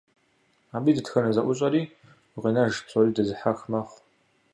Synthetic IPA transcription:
aːbiːdɨtxɐnɐzɐʔʷʊɕʼɐɾiː | ʁenɐʒpsʰʷʼoɾiːdɐzɨħaxmɐχʷ

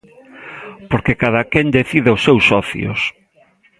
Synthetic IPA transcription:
poɾkekaðakɛnd̪eθiðɪʊsːewsːɔθj̰ʊ̰s

